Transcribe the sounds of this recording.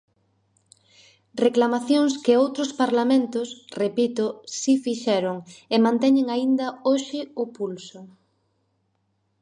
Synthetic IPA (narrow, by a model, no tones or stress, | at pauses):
reklamaθjoŋskɪowt̪ɾʊspaɾlamẽnt̪ʊsrepit̪ʊsifiʃɛɾʊŋemãnt̪ɛɲeŋaind̪ɐoʃɪʊpulsʊ